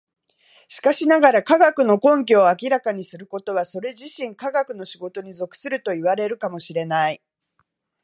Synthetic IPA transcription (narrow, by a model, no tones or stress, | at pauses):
ɕi̥kaɕinaɡaɾakaɡakɯ̟no̞kõ̞ŋk̬ʲo̞ːakʲiɾakaɲ̟isɨɾɯ̟ko̞t̪o̞β̞aso̞ɾe̞ʑiɕĩŋkaɡakɯ̟no̞ɕiɡo̞t̪o̞ɲ̟izo̞kɯ̥sɨɾɯ̟t̪o̞iβaɾe̞ɾɯ̟kamo̞ɕiɾe̞nai